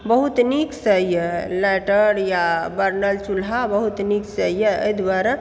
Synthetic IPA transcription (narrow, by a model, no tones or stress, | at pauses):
bəɦut̪niksəjəlɛʈəɾjabəɾnəlt͡ʃulɦabəɦut̪niksəjəə̰jd̪waɾa